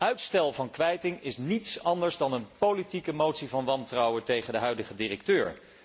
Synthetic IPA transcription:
œɥtstɛlˠvɑnkʋɛjtɪŋɪsnitsɑndəɹzdɑnənpolitikəmowtsivɑnʋɑntrɑwətejχəndəɦœɥdəχədirək̚tøːɹ

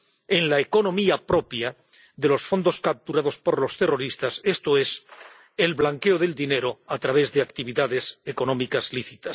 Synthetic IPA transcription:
e̞nlaeko̞nõ̞miapɾo̞pja | ðe̞lo̞sfo̞nd̪o̞skap̚t̪uɾaðo̞spo̞ɾlo̞st̪e̞ro̞ɾist̪ase̞st̪oe̞s | e̞lβlaŋke̞oðe̞ld̪ine̞ɾo̞at̪ɾaβe̞zðe̞akt̪iβiðaðe̞seko̞no̞mikazliθit̪as

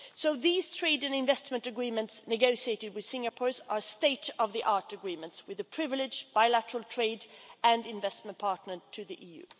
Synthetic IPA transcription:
soʊðiːz̥tʰɹ̥eɪdɨ̃nɪ̃ɱvɛstmə̃ntɨɡɹĩmə̃ntsnɨɡoʊʃieɪɾɨd̚wɨð̥sɪ̃ŋəpʰɔɹzə˞steɪɾʌvðiʔɑɹɾɨɡɹĩmə̃ntswɨðɨpʰɹ̥ɪvlɪd͡ʒb̥aɪlæɾəɹəl̩ˠtʰɹ̥eɪdɨ̃ndɪ̃ɱvɛstmə̃npʰɑɹtnə˞tʰɨðiʔiːjʉ̰ː

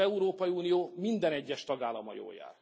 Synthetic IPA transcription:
ɛuɾoːpɒjiuːnijoːmind̪ɛnɛɟːɛʃt̪ɒɡaːlːɒmɒ̰jo̰ːlja̰ːr

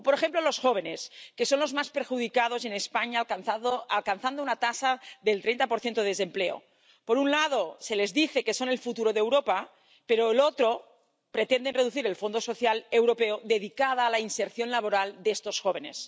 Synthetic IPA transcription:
poɾexemplolo̞sxoβ̞e̞neske̞so̞nlo̞zmaspeɾxuðikað̞o̞z̬e̞nespaɲaθaalkanθand̪ounat̪asaðelt̪ɾent̪apoɾθjent̪oesempleo̰ | poɾunlað̞osele̞zðiθeke̞sonelfut̪uɾoðewɾopa | peɾoelot̪ɾo | pɾe̞t̪end̪enreðuθiɾelfo̞nd̪oso̞θjalewɾopeoðeðikað̞aːlainseɾθjo̞nlaβoɾald̪est̪o̞sxoβ̞e̞ne̞̰s

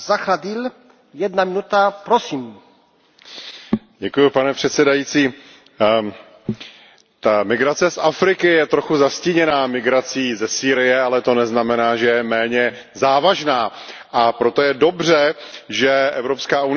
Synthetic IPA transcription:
zaxɾad̪il | jɛd̪namɪnut̪apɾosim | ɟɛkujʊpanɛpr̥ɛt̪sɛdajit͡siː | t̪amɪɡɾat͡sɛsafɾɪkɪjɛt̪ɾo̞xuzascɪɲɛnaːmɪɡɾat͡siːzɛsiːɾɪjɛalɛt̪o̞nɛznamɛnaːʒɛjɛmɛːɲɛ | zaːvaʒnaː | ʔapɾo̞t̪o̞jɛdo̞br̝ɛʒɛʔɛvɾo̞pskaːʔunɪ

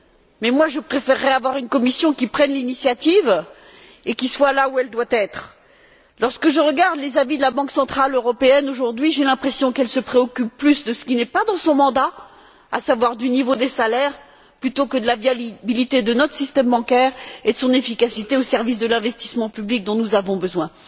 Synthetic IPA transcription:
mɛmwaʒəpχefɛʁːɛavwaʁynkɔmisjɔ̃kʲipχɛnlinisjat̪iv | ekʲiswalauɛld̪wat̪ɛt̪χ | lɔʁskəʒəʁəɡaʁd̪lezavid̪əlabɑ̃ksɑ̃t̪χaløʁɔpeɛnoʒuʁd̪ɥiʒelɛ̃pχesjɔ̃kɛlsəpχeɔkʲypːlysd̪əsə̥kʲinɛpad̪ɑ̃sɔ̃mɑ̃d̪a | a̰savwaʁd̪ynivod̪esalɛʁ | plyt̪okəd̪əlavjabilit̪ed̪ənɔt̪χəsist̪ɛmbɑ̃kɛʁed̪əsɔ̃nefikasit̪eosɛʁvis̬d̪əlɛ̃vɛst̪i̥smɑ̃pyblik̚d̪ɔ̃nuzavɔ̃bəzwɛ̃

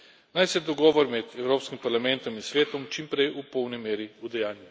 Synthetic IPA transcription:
najsɛd̪ɔɡɔːʋɔɾmɛd̪ɛwɾoːpskimpaɾlamɛnt̪ɔminsʋeːt̪ɔmt͡ʃimpɾejupɔwnimeːɾiud̪ɛjaːnju

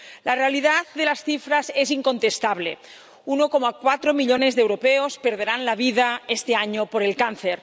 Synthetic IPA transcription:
larealið̞aθðelasθifɾazesiŋko̞nt̪est̪aβ̞lḛ | unokomakwat̪ɾomiʎonezðewɾopeospeɾð̞eɾanlaβ̞iðaest̪eaɲopoɾelkan̟θeɾ

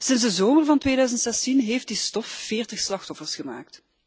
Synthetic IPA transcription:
sɪnzdəzoːmərvɑntʋeːdœːɥzəntsɛstinɦeːftdistɔfːɪːrtəxslɑxtɔfərsχəmaːk̚t

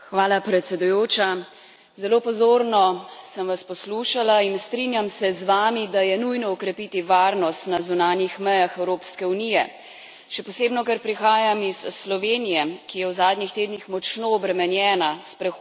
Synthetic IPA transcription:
xʋaːlapɾɛt̪sɛd̪ujoːt͡ʃa | zɛlopɔzoːɾnɔsəmʋaspɔsluːʃalainst̪ɾinjamsɛzʋaːmid̪ajɛnujnɔɔkɾɛpit̪iʋaːɾnɔst̪nazunaːnjixmɛjaxɛwɾoːpskɛunijɛ | ʃɛpɔseːbnɔkɛɾpɾixaːjamisːlɔʋeːnijɛkijɛwzaːd̪nixt̪eːd̪nixmɔt͡ʃnoːbɾɛmɛnjɛːnaspɾɛ

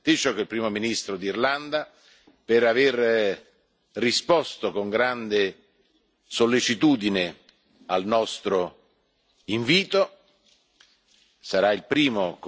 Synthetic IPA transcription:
t̪it͡ʃokilpɾiːmominist̪ɾod̪irland̪a | peɾaver | rispɔst̪okoŋɡɾand̪e | solːet͡ʃit̪uːd̪ine | alnɔst̪ɾo | iɱviːt̪o | saɾailpɾiːmok

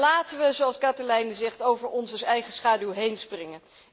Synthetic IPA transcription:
laːtəʋəzoɑlˠskɑtəlɛjnəzɛχtowvəɹɔnsəsɛjχəsχaːdylɦejnsprɪŋən

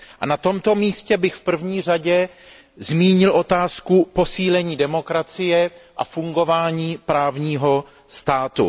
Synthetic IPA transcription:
ʔʔa̰nat̪o̞mt̪o̞miːscɛbɪxfpr̩vɲiːraɟɛ | zmiːɲɪlʔo̞t̪aːskupo̞siːlɛɲiːdɛmo̞kɾat͡sɪjɛʔa̰fuŋɡo̞vaːɲiːpɾaːvɲiːɦo̞ | st̪aːt̪ṵ

